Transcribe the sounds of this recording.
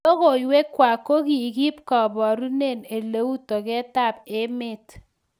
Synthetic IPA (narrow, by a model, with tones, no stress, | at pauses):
o˦ko˨i˨we˦kːwa˨ko˦ki˨ki˦p̚kɔ˨bɔ˨ɾu˦ne˦˨ne˨le˦u˦to˨kɛ˦ta˦˨pe˦me˦˨t